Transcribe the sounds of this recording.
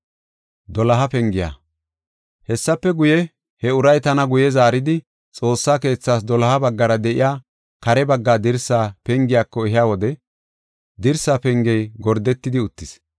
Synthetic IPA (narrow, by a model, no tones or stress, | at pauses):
d̪ɔlɐɦɐpɛŋɡɪja̰ | hɛsːɐpːɛɡʊjɛ | hɛʊɾɐjt̪ɐnɐɡʊjɛzaːɾɪd̪ɪ | t͡sʼo̞ːsːaːke̞ːt͡sːaːs̬d̪ɔlɐhɐbɐɡːɐɾɐd̪ɛʔɪ̰jaː | kɐɾɛbɐɡːaːd̪ɪɾsːaːpɛŋɡɪjaːkːɔɛɦɪjaːwɔd̪ɛ | d̪ɪɾsːaːpɛŋɡɛjɡɔɾd̪ɛt̪ːɪd̪ɪʊt̪ːɪs